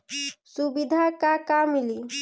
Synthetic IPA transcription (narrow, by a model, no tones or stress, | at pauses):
subid̪ʱakakamili